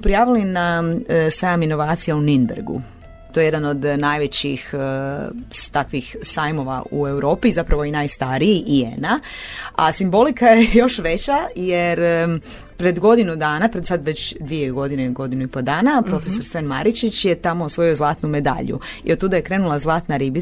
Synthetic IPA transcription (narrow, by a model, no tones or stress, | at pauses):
pɾijaːʋilinasajamino̞ʋaːt̪sijauninbḛɾɡṵ | t̪o̞jeje̞d̪ano̞d̪najʋet͡ɕix | st̪akʋixsajmo̞ʋa̰ṵe̞wɾo̞ːpizapɾaʋo̞inajst̪aɾiiʔiḛnaasimbo̞likajejo̞ʃʋe̞t͡ɕajeɾ | pɾe̞d̪ɡo̞d̪inud̪aːnapɾed̪sad̪ʋe̞t͡ɕd̪ʋijeɡo̞d̪ineɡo̞d̪inuipo̞d̪aːnapɾo̞feso̞ɾsʋenma̰ɾit͡ʃit͡ɕjet̪amo̞osʋo̞iozlˠaːt̪nume̞d̪a̰ʎṵḭod̪t̪uːd̪aje̞kɾe̞nulˠazlˠaːt̪naɾibi